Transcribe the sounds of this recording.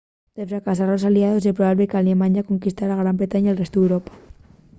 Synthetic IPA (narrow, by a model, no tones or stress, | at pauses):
d̪̥efɾakas̬aɾlosaliaðos̬epɾoβaβlekalemãɲako̞ŋkist̪aɾaɣ̞ɾambɾe̞t̪aɲaelrest̪oðewɾopḁ